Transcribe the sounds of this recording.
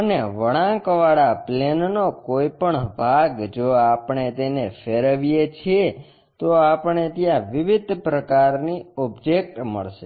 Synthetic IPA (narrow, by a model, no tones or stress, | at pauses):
əneʋəɽ̃ãkʋaɽaplennokoipəɳbʱaɡd͡ʒoapɳet̪enefeɾəʋijet͡ʃʰie | t̪oapɳ̃et̪jãʋɪʋɪd̪ʱpɾəkaɾniɔbd͡ʒek̚ʈmə̰ɭʃe